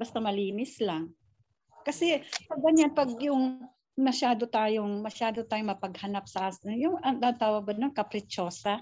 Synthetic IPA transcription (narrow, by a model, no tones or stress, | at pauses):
bɐst̪amɐliːnɪslɐŋ | kɐsɛkɐɡɐɲanpɐɡjʊŋ | mɐʃaːd̪ot̪aːjoŋmɐʃaːd̪ot̪aːjoŋmɐpɐɡ̚hɐnap̚sɐʔaːsɪnjʊŋʔɐŋd̪ant̪aːwɐɡ̚bɐnɐŋkɐpɾɛt͡ʃo̞ːsɐ